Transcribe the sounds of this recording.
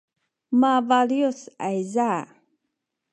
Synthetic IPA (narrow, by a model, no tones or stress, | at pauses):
mavaljosajza